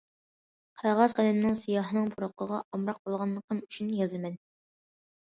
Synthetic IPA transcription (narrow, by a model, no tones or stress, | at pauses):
qʰæʁɑzqælɛmnɪŋsijɑːɦənɨŋpʰuɾoqʰəʁɑʔɑmɾɑq̚bolˠʁɑnlːˠəqəmyt͡ʃʰynjɑzɨmɛn